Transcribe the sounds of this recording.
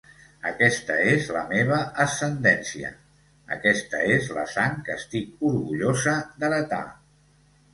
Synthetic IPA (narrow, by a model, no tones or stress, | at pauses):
əkɛst̪əezləmeβ̞əəsːənd̪ɛnsiə̰ | ə̰kɛst̪əezlə̰saŋkəst̪ikuɾɣuʎozəd̪əɾət̪a̰